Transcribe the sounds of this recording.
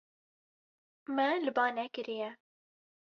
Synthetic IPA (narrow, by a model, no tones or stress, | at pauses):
mɛlɨbɑːnɛkɨɾijɛ